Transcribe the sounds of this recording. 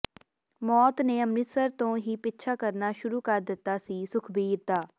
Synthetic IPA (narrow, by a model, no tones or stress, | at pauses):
mɔːt̪neːəmnɪsəɾt̪õːɦiːpɪtːʃʰaːkəɾnaːʃʊɾuːkəɾd̪ɪt̪ːaːsiːsʊkʰbiːɾt̪aː